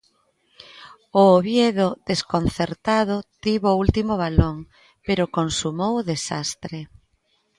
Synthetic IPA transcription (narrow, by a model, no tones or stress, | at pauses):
ʊoβjeðʊðeskonθeɾt̪aðʊt̪iβʊult̪imʊβ̞aloŋ | peɾʊkonsumowʊðesast̪ɾe